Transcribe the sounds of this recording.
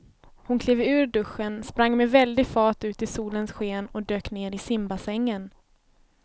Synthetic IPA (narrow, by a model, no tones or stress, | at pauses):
hʊnkʰleːvʉ̟ːɾɖɵɧənspɾaŋːmɛvɛld̪ɪɡfɑːʈ̪ʉ̟ːt̪ɪsuːlənsɧeːnɔd̪øːkneːɾɪsɪmbasɛŋːən